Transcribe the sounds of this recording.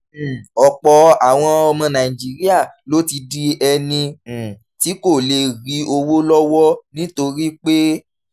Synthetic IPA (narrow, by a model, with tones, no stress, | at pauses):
ɔ˨k͡pɔ˧a˨w̃ɔ̃˧ɔ˧mɔ̃˧nã˨i˨d͡ʒi˦ɾi˦a˦˨lo˨˦ti˧di˦ɛ˧nĩ˧˨ | ti˨˦ko˦˨le˧ɾi˨˦o˧wo˦lɔ˦wɔ˦nĩ˦to˧ɾi˦k͡pe˦